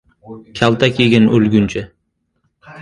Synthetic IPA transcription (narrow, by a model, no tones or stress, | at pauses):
kʲʰalt̪ʰakʲʰeɡʲanɵlɡʲʊnt͡ʃʰɪ